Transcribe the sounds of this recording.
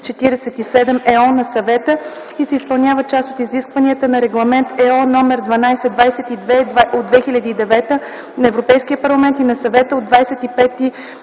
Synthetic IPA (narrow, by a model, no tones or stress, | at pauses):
t͡ʃɛt̪iɾɛsɛt̪isɛd̪ɛmɛɔnɐsɐvɛt̪ə | isɛispəɐlˠnʲjavət͡ʃast̪ot̪iziskvəniət̪ənɐɾɛɡlˠɐmɛnt̪ɛɔnɔmɛɾd̪vɐnajsɛd̪vajsɛt̪id̪vɛd̪vaod̪vɛxilʲɐd̪iːd̪ɛvɛt̪ə | nɐɛvɾopɛjskiəpɐɾlˠɐmɛnt̪inɐsɐvɛt̪əod̪vajsɛt̪ipɛt̪i